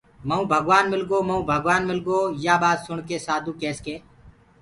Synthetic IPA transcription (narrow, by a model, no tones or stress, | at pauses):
məũːbʱəɡʋaːnmɪlɡoːməũːbʱəɡʋaːnmɪlɡoːjaːɓaːd̪sʊɳkeːsaːd̪ʱũːkɛːskeː